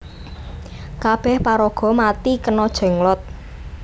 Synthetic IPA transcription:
kab̥ɛhpaɾɔɡ̥ɔ̤mat̪ikənɔd̥ʒ̥ɛ̤ŋlɔt̪̚

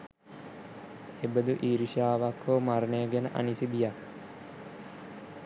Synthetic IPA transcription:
ebəd̪uʔiːɾiʃaːʋakʰːoːmarneəɡenə̰ʔa̰nisibija

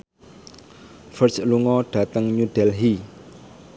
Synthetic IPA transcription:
fərsluŋɔɖ̥a̤t̪əŋɲuɖ̥ɛlɦi

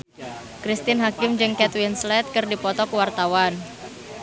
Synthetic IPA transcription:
kɾist̪ɪnɦakɪmd͡ʒɨŋkɛt̪winslɛt̪̚kɨrdipɔt̪ɔkuwart̪awan

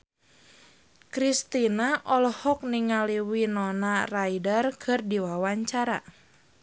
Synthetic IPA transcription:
kɾist̪inaʔɔlɔhɔk̚niŋaliwinɔnarajdərkʰɨrdiwawaɲt͡ʃaɾa̰

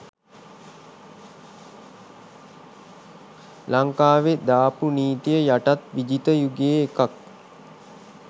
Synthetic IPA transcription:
laŋkaːʋed̪aːpuniːt̪ijəjaʈat̪ʋid͡ʒit̪əjuɡeːkak

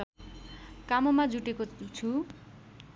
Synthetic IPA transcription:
kamomad͡zuʈekot͡sʰu

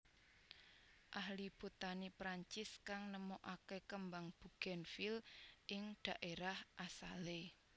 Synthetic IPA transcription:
ʔahlib̥ṳt̪anipɾaɲt͡ʃɪskaŋnəmoʔakekəmbaŋb̥ṳɡ̥ɛ̤nfilʔɪŋɖ̪̥a̤ʔeɾahʔasale

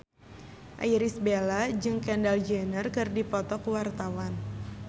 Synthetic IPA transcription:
ʔa̰jɾisbelad͡ʒɨŋkɛndald͡ʒənərkɨrdipɔt̪ɔkuwart̪awan

